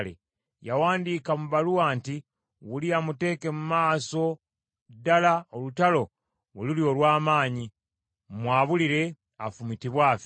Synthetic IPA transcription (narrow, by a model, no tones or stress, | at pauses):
lḛ | jawaːndiːkamuβaluwaːnti | wuliamute̞ːke̞mumaːso̞ | dalaolutalo̞ | welulio̞ːlwaːmaːɲi | mwaːβuliɾe̞ | afumitiβwaːfi